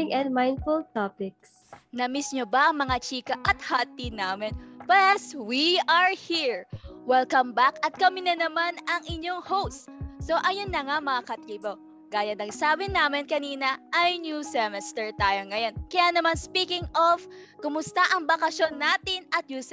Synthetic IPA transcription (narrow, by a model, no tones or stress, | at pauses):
ɪŋɛ̃nd̪̚majnfʊlt̪apɪk̚s | nɐmismjobɐʔɐŋmɐŋat͡ʃiːkɐʔɐt̪̚hat̪inaːmɪnplɛswiɐɹhiɹwɛlkɐmbakɐt̪̚kɐminɐnɐmanɐŋʔɪɲoŋhowst̪soʔɐjonːɐŋamɐŋakɐt̪ɾibo | ɡ̥aːjɐnɐɡsaːbɪnːaːmɪnkɐniːnɐʔɐjnjusɛmɛst̪ɛɹt̪aːjoŋɐjo̞nkɐjanɐmanspiːkɪŋʔofkʊmʊst̪ɐʔɐŋbɐkɐʃjo̞nːaːt̪ɪnʔɐt̪̚ɲuːs